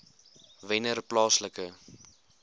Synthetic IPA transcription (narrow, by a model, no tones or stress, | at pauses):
vɛnərplɑːsləkə